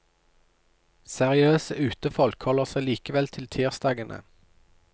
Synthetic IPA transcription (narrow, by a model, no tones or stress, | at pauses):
sæʁɪøːsəʔʉːt̪əfɔlkhɔləʁsæɪliːkəʋɛlt̪ʰɪlt̪ʰiːʁsd̪ɑːɡənʔə̰